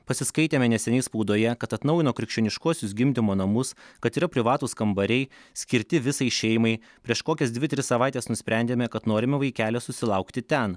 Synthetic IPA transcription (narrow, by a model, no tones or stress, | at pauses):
pɐsʲɪskɐɪt̪ʲeːmʲɛnʲɛsʲɛnʲɛɪspuːd̪oːjɛkɐt̪ɐt̪nɐʊjɪnoːkɾʲɪkʃʲt͡ʃʲoːnʲɪʃkuɔsʲʊs̬ɡʲɪmʲd̪ʲɪmoːnɐmʊskɐt̪iːɾɐpʲɾʲɪʋɑːt̪uːskɐmbɐɾʲɛɪsʲkʲɪɾʲt̪ʲɪʋʲɪsɐɪʃʲɛɪjɪmɐɪ | pʲɾʲiɛʃkoːkʲɛsd̪ʲʋʲɪt̪ʲɾʲɪsɐʋɑˑɪt̪ʲeːsnʊsʲpʲɾʲæˑnʲd̪ʲeːmʲɛkɐt̪noːɾʲɪmʲɛʋɐɪkʲæːlʲɛsʊsʲɪlˠɐʊkt̪ʲɪt̪ʲɛn